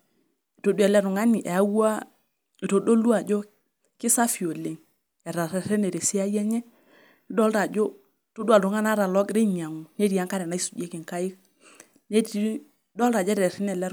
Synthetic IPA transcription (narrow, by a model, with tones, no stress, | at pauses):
i˨to˨du˦ɛ˨lɛ˦ɾu˨ŋa˦ni˨ʔe˨a˦wu˦a˦ | i˨to˨do˦lu˦a˨d͡ʒo˦ | kɪ˦sa˦fi˨o˨le˨ŋ | ɛ˨ɾa˨ɾɛ˨ɾɛ˦ne˨ɾe˨si˦a˦jɛ˦ɲɛ˦ | dɔ˦lɾa˨d͡ʒo˦˨ | to˦du˦a˨lɾu˨˦ŋa˦na˦ɾa˨lɔ˦kɾi˦ɲa˨ŋu˨ne˦ɾi˨a˦ŋka˦ɾɛ˨na˦i˦su̥˨d͡ʒe˦ki˨ŋka˦ɪ˦k̚ | ne˦ | dɔ˦lɾa˨d͡ʒɛ˦ɾɛ˨ɾɛ˦nɛ˨lɛ˦